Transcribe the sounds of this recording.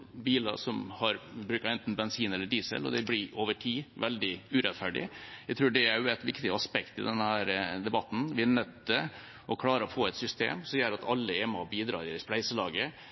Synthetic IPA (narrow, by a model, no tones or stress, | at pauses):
biːlɑ̰sɔmhɑɾbɾʉːkɑɛnt̪n̩bɛnsiːnɛlːəɖiːsə̰lɔ̰d̪ɛblɪʔoːʋəʈʰiːʋɛld̪ɪʉːɾɛt̪fæɖɪ̰jæɡt̪ʰɾʉːɖɛæjʊæt̪ʋɪkt̪ɪəɑspɛkt̪ɪd̪ɛnːəhæːɾd̪ɛbɑt̪ːn̩ʋɪænɛt̪̚d̪ə | ɔkʰlɑːɾəɔfoːɛt̪sʏst̪ḛːmsɔmjæːɾɑt̪ɑlːəɛmɑ̰biːd̪ɾɑ̰ːɾɪɛsplæɪsəlɑːɡə